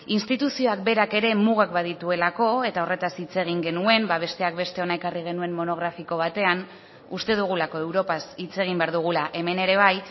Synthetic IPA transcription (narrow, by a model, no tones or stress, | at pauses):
inst̪it̪usio̞ak̚be̞ɾake̞ɾe̞muɣ̞ak̚baðit̪ue̞lako̞e̞t̪ao̞re̞t̪asit͡se̞ɣ̞iŋɡe̞nue̞mbaβ̞e̞st̪e̞ak̚be̞st̪e̞o̞naekariɣ̞e̞nue̞mːo̞no̞ɣ̞ɾafiko̞β̞at̪e̞an | ust̪e̞ðuɣ̞ulako̞e̞wɾo̞pasit͡se̞ɣ̞imbeaɾðuɣ̞ulaʔe̞me̞ne̞ɾe̞β̞aj